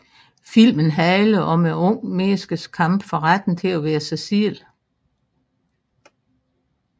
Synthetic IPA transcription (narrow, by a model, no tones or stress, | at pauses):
fil̰mənɦæɪləʔɒ̽meɔ̽ŋ̰mesɡ̥əskʰɑ̈m̰b̥fɒ̽ʁad̥n̩t͡sʰe̝æʋæːɐsæsil